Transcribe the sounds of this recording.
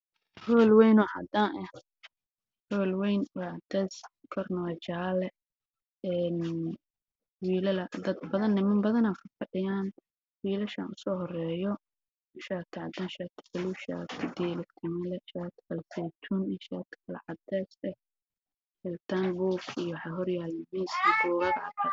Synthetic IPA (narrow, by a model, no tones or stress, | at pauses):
hɔːlwɛjnɔʕɑ̰d̪aːnʔɛh | hɔːlwɛjnwaʕɑd̪ɛːs | kʰɔrnɔwɐt͡ʃaːlɛ | ɛːn | wiːlɐlɐd̪ɐd̪̚bɐðɐnːɪmɐmbɐðɐnaːfɐrfɐɖɪjaːn | wiːlɐʃɐ̰nʊsɔːɦɔrɛːjɔ | ʃaːt̪ʰɐʕɑd̪aːnʃaːt̪ʰbɐluʃa̰ːt̪ʰɪd̪ilɛkt̪ʰɐmɛlɛʃaːt̪ʰbɐlfɛt̪ʰunɪʃa̰ːt̪ʰkʰɐlɐ̰ʕɑd̪ɛːsɛ | ɛlt̪ʰanbuɡijɔwħɑɦɔrjaːlɛmɛsibɔːlɐdʕɑd̪ɐ